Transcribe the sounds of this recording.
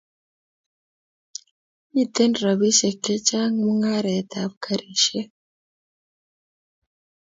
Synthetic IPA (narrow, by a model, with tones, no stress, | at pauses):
i˦t̪ːe˦nɾa˨βi˦se˨kːe˦t͡ʃa˦ŋmu˦ŋa˦ɾe˨t̪a˨bkʰa˦ɾiʃe˦